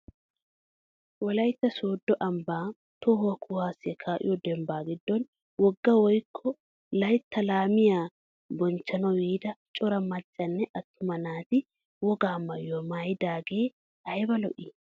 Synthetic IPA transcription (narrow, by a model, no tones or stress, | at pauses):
wɔlɐjt̪ːɐsoːd̪ːɔʔɐmbaː | t̪ɔhʊwɐkʰʊhaːsɪɐkʰaːʔɪ̰jɔd̪ɛmbaːɡɪd̪ːɔn | wɔɡːɐwɔjkʰːɔ | lɐjt̪ʰːɐlaːmɪjaː | bɔnt͡ʃːɐnɐwjiːd̪ɐt͡ʃʼɔɾɐmɐt͡ʃʼːɐnːɛʔɐt̪ːʊmɐnaːt̪ɪ | wɔɡaːmɐjomaːjɪd̪aːɡe̞ː | ɐjbɐlɔ̰ʔɪ